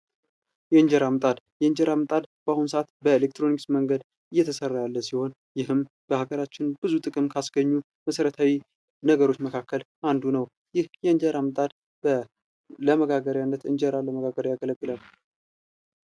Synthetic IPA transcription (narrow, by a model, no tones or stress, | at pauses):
jɛɨɲd͡ʒɛɾamt̪ʼad̪jɛɨɲd͡ʒɛɾamɨt̪ʼad̪b̥əahunsəʔat̪bəelek̚t̪ʰɾo̞niksməŋɡəd̪ | ɨjːɛt̪ʰəsərːajalːəsiho̞n | jɪɦɨm | b̥əhaɡəɾat͡ʃːɪnbɨzut̪ʼɨkʼɨmkʰasɡəɲːu | məsəɾət̪ʰawi | nəɡəɾo̞t͡ʃːməkʰakːəlʔand̪unəw | jɪhjɛɨnd͡ʒəɾamɨt̪ʼad̪ | bə | ləməɡaɡəɾjanːət̪ɨ̰nd͡ʒəɾaləməɡaɡəɾjaɡələɡʼːɨlal